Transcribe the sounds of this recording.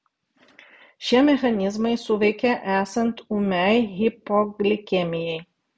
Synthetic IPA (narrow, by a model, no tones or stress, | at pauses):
ʃʲiɛmʲɛxɐnʲɪzmɐɪsʊʋʲɛɪkʲɛʔæːsɐnt̪umʲɛɪɣʲɪpɔɡlʲɪkʲɛmʲɪjɛɪ